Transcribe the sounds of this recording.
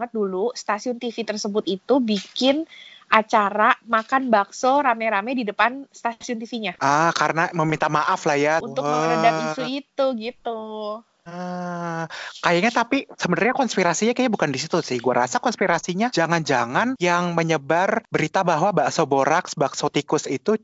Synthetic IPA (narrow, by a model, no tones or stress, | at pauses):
ŋət̪̚dulust̪asiʊnt̪ifit̪ərsəbʊt̪it̪ubikɪnʔat͡ʃaɾamakanbaksoɾamɛɾamɛdidəpanst̪asiʊnt̪ifiɲaəkaɾənaməmint̪amaʔaflahjaunt̪ʊəadamisuit̪uɡit̪u | ə | kajaɲat̪apisəbənarɲakɔnspiɾasiɲakajabukandisit̪usɪhɡuaɾasakɔnspiɾasiɲad͡ʒaŋand͡ʒaŋanjaŋməɲəbarbəɾit̪abaɦwabasoboɾaksbaksot̪ikʊsit̪u